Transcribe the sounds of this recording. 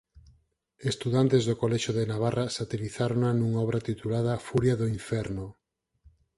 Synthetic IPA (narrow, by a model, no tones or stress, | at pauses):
est̪uðant̪ezðokolɛʃoðenaβ̞arʔasat̪eliθaɾoŋanuŋaɔβɾat̪it̪ulað̞afuɾjaðoiɱfɛɾno